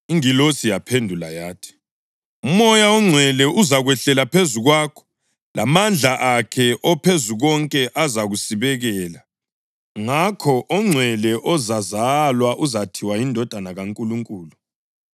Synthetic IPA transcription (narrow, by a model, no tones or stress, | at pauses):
iŋilosijapʰendʱulajaːtʰi̥ | umɔjaɔŋ͡ǀʱwɛlɛʔuzaɣwɛɬɛlapʰezuɣwaːkʰɔ̥ | la̰mand͡ɮʱaʔakʰɛʔɔpʰezuɣɔŋkʼɛʔazaɣusiβɛɣɛːla | ŋakʰɔʔɔŋ͡ǀʱwɛlɛʔɔzazalwaʔuzatʰiwajindʱɔd̥ʱanaɣaŋkʼuluŋkʼuːlu